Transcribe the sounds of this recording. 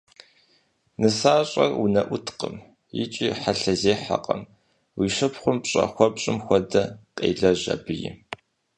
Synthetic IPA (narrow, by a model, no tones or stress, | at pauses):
nɨsaːɕʼɐ̰runɐʔʷʊtʰqəm | jɪ̰t͡ʃʼiːħaɬɐzeːħa̰qʼɐm | wiːʃɐpχʷʊmpɕʼɐ̰xʷɔpɕʼɪmxʷɔdɐqʼḛːɮɐʑɐ̰bɨjɪ̰